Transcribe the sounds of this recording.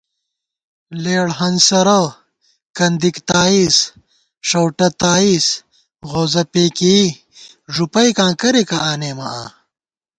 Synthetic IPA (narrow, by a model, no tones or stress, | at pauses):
leːɽɦɐnsɐɾɐ | kɐnd̪ikt̪aːis | ʂɐwʈɐt̪aːis | ɣoːzɐpeːki | ʐupɐjkãːkɐɾekaaːneːmɐʔaː